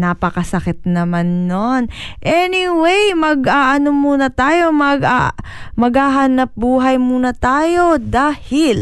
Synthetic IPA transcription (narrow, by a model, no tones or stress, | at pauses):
naːpɐkɐsɐkɪt̪̚nɐmanːonʔɛniwejmɐɡaːʔɐnomuːnɐt̪aːjo̞mɐɡamɐɡhaːɦanɐp̚buːɦɐjmuːnɐt̪aːjo̞d̪aːhɪl